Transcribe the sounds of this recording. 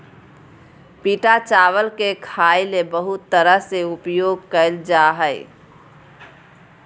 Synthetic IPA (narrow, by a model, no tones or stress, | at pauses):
piʈat͡ʃaʋəlkekʰailebəɦut̪ːəɾəɦseupjoɡ̚kəɪld͡ʒaɦəj